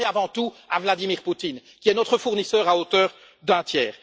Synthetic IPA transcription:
eavɑ̃t̪uavlad̪imiʁput̪inkʲiɛnɔt̪χəfuʁnisœːʁaot̪œːʁ | d̪ɛ̃t̪jɛːʁ

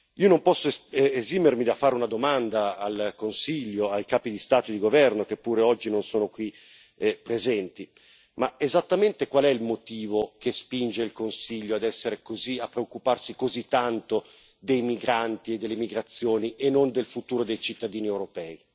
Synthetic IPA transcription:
iːonompɔsːoezimermid̪afːaːɾeunad̪omand̪aːlkonsiʎːoajkaːpid̪ist̪aːt̪od̪iɡovɛrnokepːuːɾeɔd͡ʒːinonsoːnokwi | pɾezɛnt̪i | maezat̪ːament̪ekwalɛilmot̪iːvokespind͡ʒeilkonsiʎːoad̪ɛsːeɾekoziapːɾeokːuparsikozit̪ːant̪o | d̪ejmiɡɾant̪ied̪ːelːemiɡɾat̪sːjoːniʔenːond̪elfut̪uːɾod̪ejt͡ʃit̪ːad̪iːniewɾopɛːi

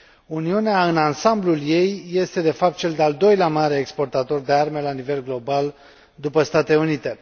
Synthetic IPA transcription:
uniuneaɨnansamblulje̞jːe̞st̪e̞d̪e̞fap̚t̪̚t͡ʃe̞ld̪eald̪o̞jleamaɾeːkspo̞rt̪at̪o̞rd̪e̞arme̞lanive̞lɡlo̞bal | d̪upəst̪at̪e̞unit̪e̞

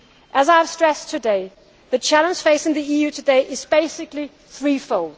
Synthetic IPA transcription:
ʔəzaɪv̥stɹ̥ɛstʰɨdeɪ | ðɨt͡ʃʰælə̃nd͡ʒʒ̥feɪsɪ̃ŋðiijʉtʰɨdeɪʔɪzbeɪsɪkli | θɹifoʊlˠd̥

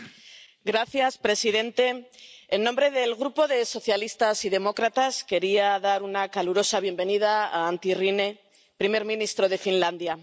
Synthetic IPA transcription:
ɡɾaθjaspɾe̞siðe̞nt̪e̞enːombɾe̞ðe̞lɣɾupo̞ðe̞so̞θjalist̪asiðe̞mo̞kɾat̪aske̞ɾiaðaɾunakaluɾo̞saβ̞je̞mbe̞nið̞aa̰ːnt̪irine̞ | pɾime̞ɾmĩnist̪ɾo̞ð̞e̞finland̪ja

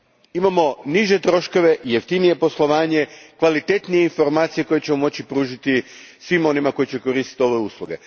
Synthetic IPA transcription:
imamo̞niʒe̞t̪ɾo̞ʃko̞ʋe̞jeft̪inije̞po̞slˠo̞ʋaːɲe̞kʋalit̪e̞t̪nije̞info̞ɾmaːt̪sije̞ko̞jet͡ɕe̞momo̞t͡ɕipɾuːʒit̪i | sʋimo̞nimako̞jit͡ɕe̞ko̞ɾiːst̪i̥t̪io̞ʋe̞uːslˠuɡe̞

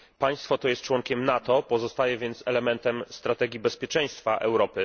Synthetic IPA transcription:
paj̃st̪fɔt̪ɔjɛst̪̚t͡ʂwɔŋkʲɛmnat̪ɔpɔzɔst̪ajɛvʲjɛnt̪sɛlɛmɛnt̪ɛmst̪ɾat̪ɛɡʲibɛspʲjɛt͡ʂɛj̃st̪faʔɛ̰wɾɔpɘ

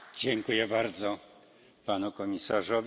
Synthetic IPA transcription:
d͡ʑɛŋkujɛbaɾd̪zɔ | panukɔmʲisaʐɔvʲ

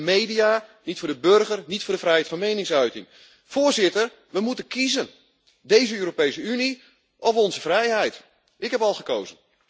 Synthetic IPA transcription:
mejdianitfʊːdəbørɣərnitfʊːdəfrɛjɦɛjtfɑ̃nmejnɪŋsœɥtɪŋ | foːzɪtər | ʋəmutənkʰizən | dejzəøːɾopejsəyni | ʔɔfɔnzəfrɛjɦɛjt | ɪkhɛpɑlˠχəkoːzən

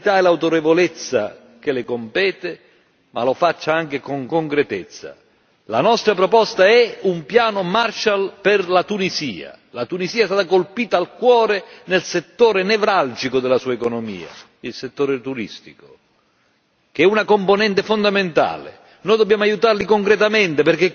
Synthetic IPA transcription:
it̪aɛlawt̪oɾevolet̪sːa̰ | k̟elɪkompɛːt̪e | ma̰lofat͡ʃːaaŋk̟ekoŋkoŋkɾet̪ɪt̪sːa̰ | la̰nɔst̪ɾapɾɔpɔst̪aɛumpjaːnomart͡ʃalpɪrlat̪unizḭːa̰ | lat̪unisiːaɛst̪at̪akolpiːt̪aːlkwɔːɾenelset̪ːoːɾenevɾald͡ʒikod̪elasuːaekonomḭːa̰ | ilset̪ːoːɾet̪uɾḭst̪iko̥ | k̟ɛunakomponɛnt̪efond̪ament̪a̰ːlḛ | nɔːjd̪obːjaːmoajut̪arlikoŋkɾet̪amɛnt̪eperke

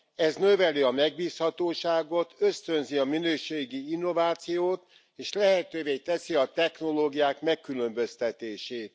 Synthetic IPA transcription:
ɛznøvɛliɒmɛɡ̚biːshɒt̪oːʃaːɡo̞t̪øst̪ø̞nziɒminøːʃeːɡiinːo̞vaːt̪sijoːt̪ | eːʃlɛɦɛt̪øːveːt̪ɛsiɒt̪ɛxno̞loːɡijaːkmɛkːylø̞mbøst̪ɛt̪eːʃeːt̪̚

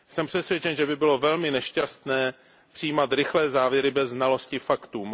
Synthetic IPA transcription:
sɛmpr̥ɛsvjɛt͡ʃɛnʒɛbɪbɪlo̞vɛlmɪnɛʃcast̪nɛː | pr̥ɪiːmat̪ɾɪxlɛːzaːvjɛɾɪbɛzːnalo̞scɪfakt̪uːm

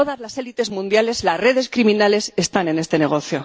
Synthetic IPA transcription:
oðazlase̞lit̪e̞zmũnd̪jale̞zlasre̞ðe̞skɾiminale̞se̞st̪ane̞ne̞st̪e̞ne̞ɣ̞o̞θjo̞

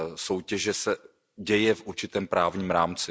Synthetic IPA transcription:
so̞wcɛʒɛsɛ | ɟɛjɛfʔuɾt͡ʃɪt̪ɛːmpɾaːvɲiːmɾaːmt͡sɪ

